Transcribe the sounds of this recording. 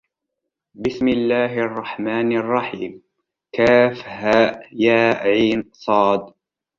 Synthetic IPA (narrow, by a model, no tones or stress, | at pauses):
bɪsmɪlːaːɦʔɑrˤːɑħmaːnɑrˤːɑħiːm | kaːfhaːʔjaːʕiːnsˤɑːd̪